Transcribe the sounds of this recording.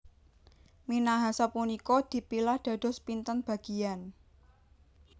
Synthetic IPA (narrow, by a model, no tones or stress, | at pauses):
minaɦasapunikɔd̪̥i̤pilahd̪̥a̤d̪̥ɔ̤spint̪ənb̥a̤ɡ̥i̤an